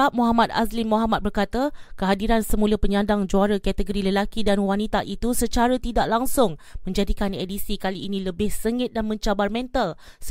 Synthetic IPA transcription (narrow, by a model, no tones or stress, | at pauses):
amoɦamãt̪̚a̰slimoɦamat̪̚bərkat̪akəɦadiɾansəmuləpəɲãndaŋd͡ʒoaɾəkat̪əɡoɾiləlakidanwanit̪aʔit̪usət͡ʃaɾət̪idaʔlaŋsʊŋmə̃ɲd͡ʒadikanedisikaliːnĩləbɪhsəŋɪt̪̚danmə̃ɲt͡ʃabarmɛ̃nt̪al | s